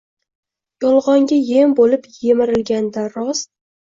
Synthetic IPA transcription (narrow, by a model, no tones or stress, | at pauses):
jɒlˠʁɒŋɡʲajembolɪpje̞mɪɾɪlɡʲand̪aɾɒs